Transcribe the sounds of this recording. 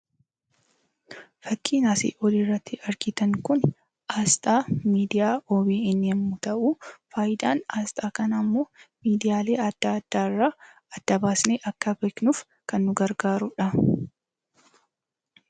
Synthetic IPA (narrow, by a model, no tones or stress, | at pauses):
fɐkːiːnaːsḭːʔɔlirːɐt̪ːɪɐɾɡɪt̪ɐŋkʊn | ʔaːst̪ʼaːmiːd̪ɪjaːoːbeːɪnːeːmʊt̪ɐʔuːfaːjɪd̪aːnaːst̪ʼaːkɐnɐmːoːmiːd̪ɪjaːleːɐd̪̥ːaːɐd̪̥ːaːɪrːaː | ɐd̪̥ːɐbaːsneːʔɐkːɐbeːknuf | kɐnːʊɡɐɾɡaːɾʊᶑɐ